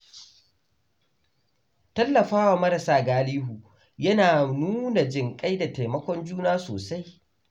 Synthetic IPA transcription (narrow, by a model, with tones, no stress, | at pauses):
tɐ˦lːɐ˨ɸaː˦wa˨mɐ˦ɾɐ˨saː˦ɡaː˦liː˦ɦuː˨ | jɐ˦naː˨nuː˦na˨d͡ʒɪ˨ŋkʼa˦jda˨ta˨jmɐ˦kʷɔ˦nd͡ʒuː˦naː˦so̰ː˨sa˦j